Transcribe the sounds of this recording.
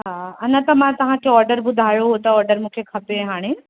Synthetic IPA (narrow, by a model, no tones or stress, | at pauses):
ɦaɐnət̪ɐmãt̪ɐʋ̤ãkʰeɔːɾɖəɾbʊd̪ʱaːjoɦot̪ɐɔːɾɖəɾmũːkʰekʰɐpẽɦaːɽ̃e